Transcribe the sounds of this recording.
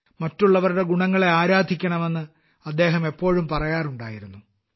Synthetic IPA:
mɐtːuɭːɐʋɐɾuɽe̞ɡuɳɐŋːɐɭe̞aːɾaːd̪ʱikʲːɐɳɐme̞nːɨ | ɐd̪ːe̞ːɦɐme̞pːo̞ːɻumpɐrɐjaːruɳɖaːjiɾunːu

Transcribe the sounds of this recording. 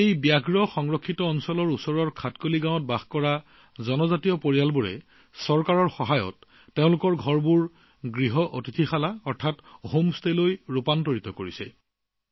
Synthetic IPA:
ejbjaɡɹɔxɔŋɹɔkʰːitɔɔnsɔlɔɹusɔɹɔɹkʰatkoliɡãw̃ɔt̚baxkɔɹa | zɔnɔzatijɔpoɹijalbuɹɛ̰ | sɔɹkaɹɔɹxɔɦajɔ̰tː | eʊ̃lʊkɔɹɡʱɔɹbuɹ | ɡɹiɦɔʔo̰titʰixalaɔɹtʰatɦomstelojɹupantoɹitɔkoɹisɛ̰

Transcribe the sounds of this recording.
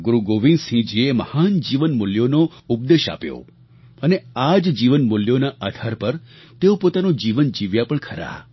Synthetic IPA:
ɡuɾuɡoʋĩnsĩd͡ʒieməhand͡ʒiʋənmʊljonoup̚d̪eʃa̰pjo̰ | ənead͡ʒd͡ʒiʋənmuljonaʔad̪ʱʰaɾpəɾ | t̪eopot̪anod͡ʒiʋənd͡ʒiʋjapəɳkʰəɾa̰

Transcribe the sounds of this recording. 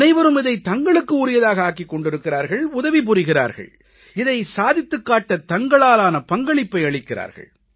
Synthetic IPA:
nɐɪʋɐɾɯmɪðɐɪt̪ɐŋɡɐɭɯkːɯʊɾɪjɐðaːɣɐaːkːɪkːɔɳɖɪɾɯkːɪɾaːɾɣɐɭʊðɐʋip̬ʊɾɪɣɪra̰ːɾɣɐ̰ɭ | ɪðɐɪsaːðɪt̪ːɯkːaːʈːɐt̪ɐŋɡɐɭaːlaːnɐpɐŋɡɐɭɪpːɐɪɐɭɪkːɪra̰ːɾɣɐ̰ɭ

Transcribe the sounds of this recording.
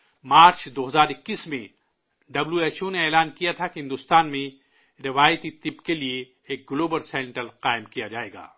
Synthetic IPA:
maːɾt͡ʃd̪oːɦɐzaːɾɪkːiːsmḛ̃ | ɖɐbljueːʃoneɛːlaːnkijat̪ʰakeɦɪ̃nd̪ʊst̪aːnmẽ | ɾɪʋaːjt̪it̪ɪbkelieː | k̚ɡloːbəlsɛːɳʈəlqaːɪmkijad͡ʒaːḛːɡa̰ː

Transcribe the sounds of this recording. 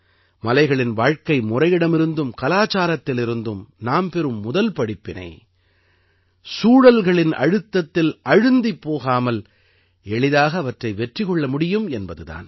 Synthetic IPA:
mɐlɐɪɣɐɭɪnʋaːɻkɐɪmʊrɐjɪɽɐmɪɾɯnd̪ɯmkɐlaːt͡ʃaːɾɐt̪ːɪlɪɾɯnd̪ɯmnaːmpɛɾɯmːʊðɐlpɐɽɪpːɪnɐ̰ɪ | suːɽɐlɣɐɭɪnɐ̰ɻɯt̪ːɐt̪ːɪlɐɻɯnd̪ɪpːoːɣaːmɐl | ɛɭɪðaːɣɐːʋɐʈrɐɪʋɛʈrɪɣɔɭːɐmʊɽɪjɯmɛnbɐðɯða̰ːn

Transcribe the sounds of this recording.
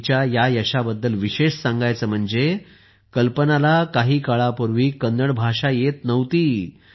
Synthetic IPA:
t͡ɕjajajəɕabəd̪ːəlʋiɕeʂsãŋɡajt͡səːm̤əɳd͡ze | kəlpənalakaɦiːkəɭapuɾʋiːkənd̪əɽbʱaʂajet̪nəʋt̪iː

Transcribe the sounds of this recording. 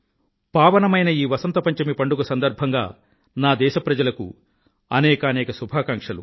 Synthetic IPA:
paːʋɐnɐmɐjnɐiːʋɐsɐnt̪ɐpɐɲt͡ʃɐmipɐɳɖuɡusɐnd̪ɐɾbʱɐŋɡaː | naːd̪ɛːʃɐpɾɐd͡ʒɐlɐkṵ | ɐnɛːkɐːnɛːkɐsubʱaːkaŋkʂɐlṵ

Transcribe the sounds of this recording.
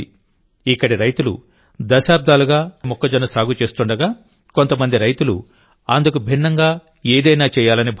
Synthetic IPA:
ikːɐɽiɾɐjt̪ulṵ | d̪ɐʃaːb̚d̪aːluɡaːmɔkːɐd͡ʒɐnɐsaːɡut͡ʃe̞ːst̪uɳɖɐɡaː | ko̞nt̪ɐmɐnd̪iɾɐjt̪ulṵ | ɐnd̪ukubʱinːɐŋɡaː | eːd̪ɐjnaːt͡ʃɛːjaːlɐnibʱ

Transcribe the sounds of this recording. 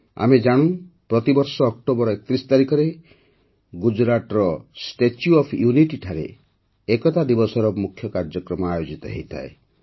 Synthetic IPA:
a̰med͡ʒaɽ̃ũpɾɔt̪ibɔɾsɔːk̚ʈobɔɾɔekɔt̪ɾisɔ̥t̪aɾikɔɾe | ɡud͡ʒɾaʈɔɾɔsʈet͡ʃjuɔpʰjuniʈiʈʰaɾḛ | ekɔt̪ad̪ibɔsɔɾɔmukʰjɔkaɾd͡ʒɔkɾɔmɔajod͡ʒit̪ɔ̰ɦḛjt̪ʰa̰e

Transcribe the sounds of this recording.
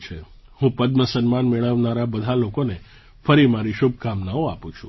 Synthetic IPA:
t͡ʃʰe | hũpəd̪məsənmanmɛɭ̃əʋnaɾabəd̪ʱalokone | fəɾimaɾiʃubʱkamnaoa̰pũt͡ʃʰũ

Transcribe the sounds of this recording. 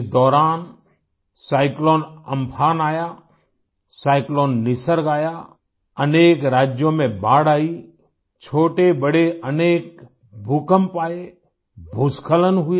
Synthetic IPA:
ɪsd̪ɔːɾaːn | saːɪkloːnəmpʰaːnaːjaː | saːɪkloːnːɪsəɾɡaːja | əneːkɾaːd͡ʒjõmẽbaːɽaːi | t͡ʃʰoːʈebəɽeʔəneːk̚ | bʱʊkəmpaːe | bʱʊskʰələnɦʊ

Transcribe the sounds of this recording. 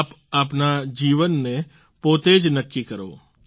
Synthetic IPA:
p | aːpnad͡ʒiːʋənːe | poːt̪eːd͡ʒnəkːikɐɾo̰ː

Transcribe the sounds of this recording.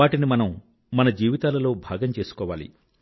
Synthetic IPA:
aːʈinimɐnɐmː | ɐnɐd͡ʒiːʋit̪aːlɐlo̞ːbʱaːɡɐmt͡ʃe̞ːsu̥kɔːʋaːlḭ

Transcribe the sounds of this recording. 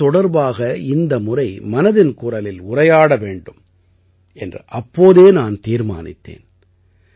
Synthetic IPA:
ɔɽɐɾbaːɣɐɪnd̪ɐmʊrɐɪmɐnɐðɪnkʊrɐlɪlʊrɐjaːɽɐʋeːɳɖɯm | ɛndrɯʔɐpːoːðeːnaːnt̪iːɾma̰ːnɪ̰t̪ːḛːn

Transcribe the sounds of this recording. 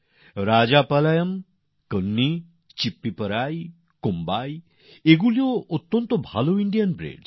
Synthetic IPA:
ɾad͡ʑapalajəm | kənːi | t͡ɕipːipəɾaj | kombaj | eɡulijoot̪ːɔnt̪ɔbʱaloiɳɖijənbɾḛɖ

